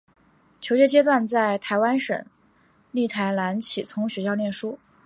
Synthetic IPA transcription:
t͡ɕʰjo˧˥ʊt͡ɕjɛ˥t͡ɕjɛ˥t̪wa˥˧nt͡sa˥˩ɪt̪ʰa˧˥ɪwa˥nʂə̰˨˩˦ŋ | li˥˩t̪ʰa˧˥ɪla˧˥nt͡ɕʰi˨˩t͡sʰʊ˧˥ŋɕɥɛ˧˥ɕjɑ˥˧ʊljɛ˥˩nʂu˥

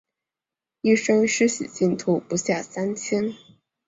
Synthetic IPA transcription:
i˥˩ʂɤ˥ŋʂɻ̩˥ɕḭ˨˩t͡ɕi˥˩nt̪ʰu˥˩pu˧˥ɕja˥˩sa˥nt͡ɕʰjɛ˥n

